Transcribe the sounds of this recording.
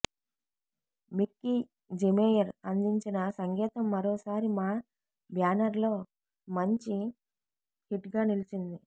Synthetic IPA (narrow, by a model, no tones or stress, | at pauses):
mikːi | d͡ʒemeːjɐɾɐnd̪iɲt͡ʃinɐsɐŋɡɛːt̪ɐmːɐɾo̞ːsaːɾimaː | bjaːnɐɾlo̞ː | mɐɲt͡ʃi | hiʈɡaːnilit͡ʃind̪i